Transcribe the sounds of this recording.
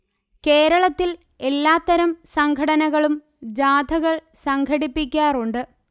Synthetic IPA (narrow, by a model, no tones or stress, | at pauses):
ke̞ːɾɐɭɐt̪ːil | e̞lːaːt̪ːɐɾɐmsɐŋɡʰʱɐɽɐnɐɣɐɭum | d͡ʑaːd̪ʱɐɣɐɭ | sɐŋɡʰʱɐɽipːikʲːaːruɳɖɨ